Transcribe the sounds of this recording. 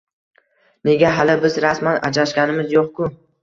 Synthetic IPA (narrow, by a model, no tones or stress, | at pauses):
ne̞ɡʲaɦalɪbɪzɾasmanad͡ʒlaʃɡʲanɪmɪzjoqkʰʊ